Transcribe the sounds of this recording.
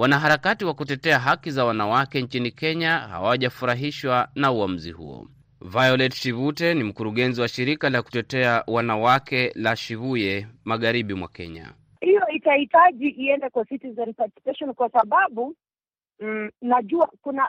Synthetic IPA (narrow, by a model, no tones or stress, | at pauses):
wanaɦaɾakatiwakutɛtɛaɦakizawanawakɛɲt͡ʃinikɛɲaha̰waʄafuɾaɦiʃwanauam̩zḭhṵɔ̰ | vajɔlɛtʃivutɛnim̩kuɾuɠɛnziwaʃiɾikalaku̥tɛtɛawanawakɛlaʃivujɛmaɠaɾiɓimwa̰kɛ̰ɲa̰ | hijɔitahitaʄiʔiɛndɛkwasitizɛnpatsi̥pɛʃɔnkwasaɓaɓu | naʄuakuna